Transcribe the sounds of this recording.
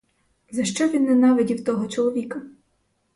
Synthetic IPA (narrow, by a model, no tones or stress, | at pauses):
zɐʃt͡ʃɔʋʲinːɛnɑʋʲɪdʲiwt̪ɔɦɔt͡ʃɔlˠɔʋʲikɐ